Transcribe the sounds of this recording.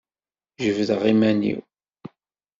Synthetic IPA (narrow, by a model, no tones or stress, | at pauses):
ʒəvðəʁimænḭw